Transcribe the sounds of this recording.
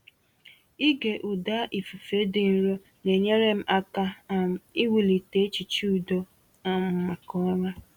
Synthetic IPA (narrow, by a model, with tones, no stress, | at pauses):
i˦ɡe˨ʔu˨da˦ʔi˨fu˨fe˨˦dɪ˨n̩˦ɾo˦ | ne˨ɲe˦ɾe˦m̩˦ʔa˦ka˦˨m̩˨i˦wi˨li˨te˦t͡ʃi˨t͡ʃu˦u˨do˦ | ɔ˦m̩˦ma˨kɔ˦ɲa˦